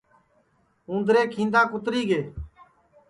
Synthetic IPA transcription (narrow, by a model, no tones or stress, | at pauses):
ũːnd̪ɾeːkʰĩːnd̪aːkʊt̪ɾiːɡeː